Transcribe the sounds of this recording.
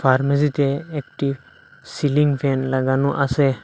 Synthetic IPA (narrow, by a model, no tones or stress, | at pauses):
pʰaɾməs̬it̪eːk̚ʈib | siliŋpʰenlaɡanuʔase